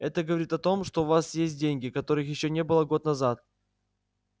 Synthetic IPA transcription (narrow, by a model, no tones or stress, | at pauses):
ɛt̪əɡəvɐɾʲit̪ɐt̪o̞mʂt̪o̞ʊvasjesʲt̚ʲdʲenʲɡʲɪkɐt̪o̞ɾɨxjɪɕːonʲe̞bɨlˠəɡo̞t̪̚nɐzat̪̚